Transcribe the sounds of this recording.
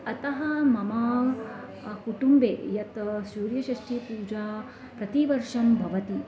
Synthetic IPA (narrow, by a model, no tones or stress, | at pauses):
ɐt̪ɐɦɐmɐmaː | kuʈumbḛːjɐt̪suːɾjɐʃɐʂʈʰipuːd͡ʒaː | pɾɐt̪iʋɐɾʂɐmbʱɐʋɐt̪i